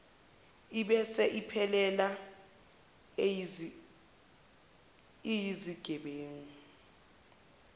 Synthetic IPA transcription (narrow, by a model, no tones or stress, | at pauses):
iɓɛsɛʔipʰɛlɛla | ijiziɡ̥ʱɛɓeːŋu